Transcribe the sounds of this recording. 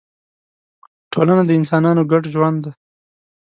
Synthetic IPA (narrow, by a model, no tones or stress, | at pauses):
ʈʰolanad̪əɪnsɑnɑnoɡaʈʒwand̪d̪a